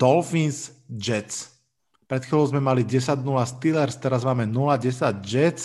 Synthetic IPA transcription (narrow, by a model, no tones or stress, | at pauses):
t̪ɔlfinsd͡ʒɛt͡s | pɾɛt̪xilɔʊzmɛmaliɟɛsaɟnulast̪ilɛɾst̪ɛɾazmaːmɛnulaɟɛsaɟd͡ʒɛt͡s